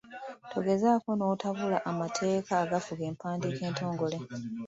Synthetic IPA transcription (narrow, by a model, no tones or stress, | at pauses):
tʰo̞ɡe̞zaːko̞no̞ːtaβulaʔamatʰe̞ːkaːɡafuɡe̞ːmpaːndike̞ːnto̞ːŋɡo̞le